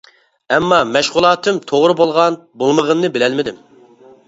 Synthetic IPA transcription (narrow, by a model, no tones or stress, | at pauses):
ɛmːɑmɛʃʁʊlˠɑːt̪ʰɨmt̪ʰoʁɾɨbolˠʁɑn | bolˠməʁənnɨbɪlɛlmɪd̪ɪm